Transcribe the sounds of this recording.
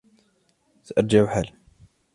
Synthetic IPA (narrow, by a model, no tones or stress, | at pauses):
θʔɑɾˤd͡ʒaʕuħal